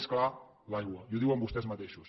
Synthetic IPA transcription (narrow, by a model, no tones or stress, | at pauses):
skla | lajɣwəiuðiwəmbust̪ɛzmət̪eʃus